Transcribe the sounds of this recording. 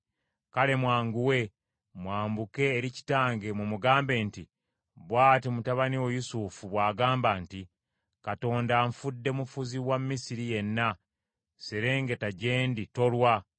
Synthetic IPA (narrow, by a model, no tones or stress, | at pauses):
kale̞mwaːŋɡuwe̞ | mwaːmbuke̞ːɾici̥taːŋɡe̞mumuɡaːmbe̞ːnti | βwaːtimutaβaniwojusufuβwaːɡaːmbanti | kato̞ːndaɱfudːe̞mufuziwamːisiɾije̞nːa | seɾe̞ːŋɡe̞taɟe̞ːndito̞lwa